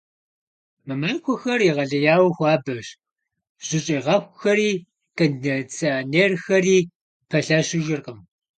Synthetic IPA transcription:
mɐmankʷʰɔxɐriʁɐɮɐjaːwxʷɑːbɐɕ | ʑ̥ɪɕʼiːʁɐxʷxɐɾiː | kɐndnɐt͡sʰɐneːrxɐriː | pʰɐɬɐɕɪʒɪrqəm

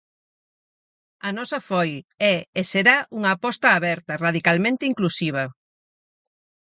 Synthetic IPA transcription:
ɐnɔsɐfɔjɛeseɾaʔuŋɐːpɔst̪aːβɛɾt̪ɐraðikalmẽnt̪ɪiŋklusiβ̞ɐ

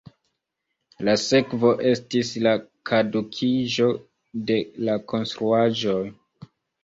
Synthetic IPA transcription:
lase̞kvo̞ʔe̞stislakʰadukʰiʒo̞ | de̞lako̞nstɾuaʒo̞j

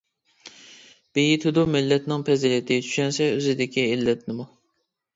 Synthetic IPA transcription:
b̥ejit̪ʰɪd̪umɪlːɛt̪nɪŋpʰɛzilɪt̪ʰɪt͡ʃ̪ʰy̥ʃɛnsɛøzɪd̪ɪkʲielːɛt̪nɪmu

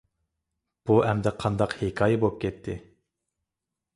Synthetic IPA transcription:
b̥uʔɛmd̪ɛqʰɑnd̪ɑqhekʰɑːjɛbop̚kʲʰɛt̪ʰːɪ

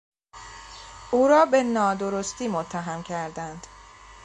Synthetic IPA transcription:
ʔuːɾɒːbe̞nɒːd̪o̞ɾost̪iːmot̪ʰːæɦæmcʰæɾd̪ænd̪̥

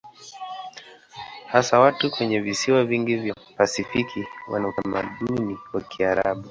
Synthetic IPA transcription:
hasawatukwɛɲɛvisiwaviŋɡivja | pasifikʰiwa̰nautamaɗuniwakiaɾa̰ɓu

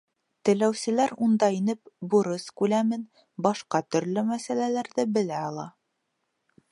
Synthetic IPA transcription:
t̪ɘ̆læwsɘ̆læɾund̪ɑinɘpbuɾɤskʉlæmɘn | bɑʃqɑt̪ɵ̆ɾlɵmæsælælæɾðɘbɘ̆læɑlˠɑ

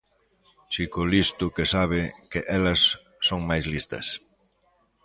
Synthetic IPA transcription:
t͡ʃikʊlist̪ʊkesaβ̞ɪkɪʔɛlɐsː | oŋmajzlist̪ɐ̰s

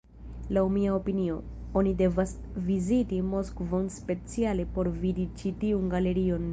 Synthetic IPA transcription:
lawmiaopinio̞ | onide̞vas | vizitimo̞skvo̞nspe̞t͡siale̞po̞ɾvidit͡ʃitiunɡale̞ɾio̞n

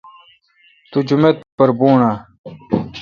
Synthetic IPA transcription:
t̪ud͡ʑumet̪̚pɐɾbuːɳaː

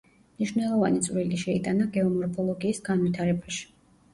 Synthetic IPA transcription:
mniʃvnɛlˠɔva̰nit̪sʼɾiliʃɛit̪ʼanaɡɛɔmɔɾpʰɔlˠɔɡiːsɡanvit̪ʰaɾɛbaʃi̥

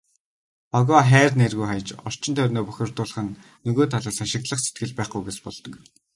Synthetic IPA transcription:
ɔɣɔχæːrnerɣujχajə̆t͡ɕɔr̥t͡ɕɪ̆nt̪ʰœːnoːpœxʲɪ̆rt̪ʊːɮə̆χə̆nː | ɵɣoːt̪ʰaɮaːsanʃɪ̆k̚t̪ɮə̆χset̪̚ɡɘ̆ɮpæːχɡujɡet͡ɕpɔ̰ɮt̪ɞ̆k

